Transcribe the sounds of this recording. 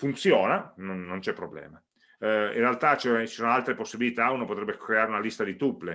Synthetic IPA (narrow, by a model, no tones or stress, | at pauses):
funt̪sjoːnanonːont͡ʃɛpːɾoblɛ̰ːma | ḭ̃realt̪at͡ʃɛt͡ʃi̥soːnoalt̪ɾeposːibilit̪aunopot̪ɾɛbːekɾeaːɾeunalist̪ad̪it̪upːle